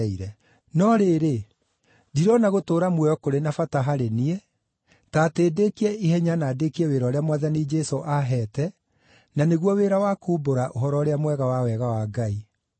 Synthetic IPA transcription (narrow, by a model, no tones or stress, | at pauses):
iɾɛ | nɔɾeɾe | diɾɔnaɣotoːɾamwɛɔkoɾenafataɦaɾeniɛ | taːteːdekiɛihɛɲanaːdekiɛweɾɔɾeamwaðanid͡ʒɛsoʔaɦɛtɛ | naneɣwɔweːɾawakuboɾaʔoɦɔɾɔɾeamwɛɣawawɛɣawaːɡai